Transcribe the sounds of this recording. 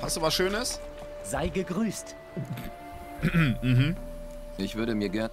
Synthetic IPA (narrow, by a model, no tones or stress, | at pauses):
hastd̥uːvasʃøːnəs | z̥aɪɡəɡʁyːst | ɦm̩ | ʔɪçv̥ʏɐɾəmiːɐɡɛɐ